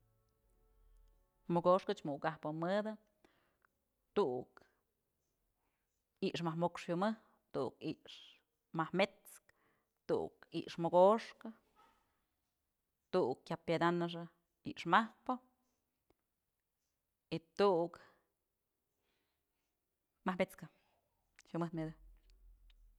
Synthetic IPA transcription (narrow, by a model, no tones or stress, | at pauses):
moɡoʂkɨt͡ʃmuʔkahpɨmɨd̪ɨ | t̪uʔk | iʔʂmahmokʂfumɨh | t̪uʔukiʔʂ | mahmet͡sk | t̪ṵʔṵkḭʔʂmoɡoʂkɨ | t̪uʔkkʲapjad̪anɨʂ̬a | iʔʂmahpo | it̪uʔk | mahmbet͡skɨ | ʃumɨht̪med̪ɨ